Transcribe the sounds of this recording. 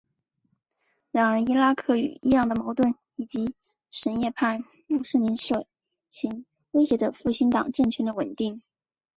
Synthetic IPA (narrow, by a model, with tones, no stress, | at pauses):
ɻa˧˥nə˞˧˥i˥la˥kʰɤ˥˩y̰˨˩i˥jɑ˥˩ŋd̪ə˩mɑ˧˥ʊt̪wə˥˩n | i˨˩t͡ɕi˧˥ | ʂə˧˥njɛ˥˧pʰa˥˩n | lu˥˧ʂɻ̩˥˩ni˧˥nʂɤ˨˩ | t͡ɕʰi˧˥ŋ | we˥ɪɕjɛ˧˥ʈ͡ʂə˧˩fu˥˩ɕi˥nt̪ɑ̰˨˩ŋʈ͡ʂə˥˩ŋt͡ɕʰɥɛ˧˥nd̪ə˧wə˨˩nt̪i˥˩ŋ